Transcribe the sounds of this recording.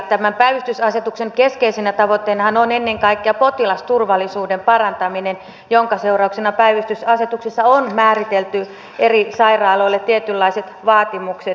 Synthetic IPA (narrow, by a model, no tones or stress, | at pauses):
t̪æmæmpæiʋyst̪ysɑset̪ukseŋkeskeisinæt̪ɑʋot̪ːeinɑhɑnonenːeŋkɑikːeɑpot̪ilɑst̪urʋɑlːˑisuːdempɑrɑnt̪ɑminen | joŋkɑseurɑuksenɑpæiʋyst̪ysɑset̪uksisːɑonmæːrit̪elt̪y | erisɑirɑːloilːett̪iet̪ylːɑiset̪ʋɑːt̪imukset̪